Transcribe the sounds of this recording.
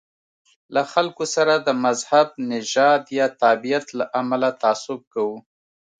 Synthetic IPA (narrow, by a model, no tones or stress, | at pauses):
laxalkosaɾad̪əmazhab̚nɪʒɑd̪jɑt̪ɑbijat̪laʔamalat̪asʊb̚kawu